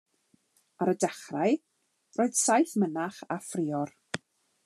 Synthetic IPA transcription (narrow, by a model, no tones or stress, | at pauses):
aɾədɛχraj | roːɨd̥sajθmənaχafrɪːɔr